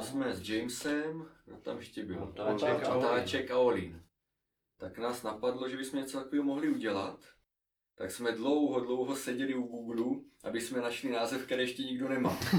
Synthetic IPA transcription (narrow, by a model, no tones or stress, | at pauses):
zmɛzd͡ʒɛjmsɛmnot̪a̰mjɛʃcɛbɪlt̪aɛkt̪at͡ʃɛkaolin | t̪aknaːsnapadlo̞ʒɛbismɛɲɛt͡sot̪akoviːɦomoɦliuɟɛla̰t̪ː | aksmɛdlo̞wɦodlo̞wɦosɛɟɛliuɡuːɡluʔa̰bɪsmɛnaʃlinaːzɛfkt̪ɛɾɛːjɛʃcɛɲiɡdo̞nɛma̰ː